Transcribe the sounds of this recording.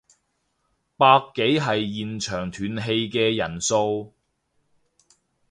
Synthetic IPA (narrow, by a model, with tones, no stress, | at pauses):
paː˧kːe˨˥jɦɐ˨jjiː˨nt͡ʃʰœː˨˩ŋt̪ʰyː˨˩nɦe˧jkɛː˧jɐ˨˩nso˧w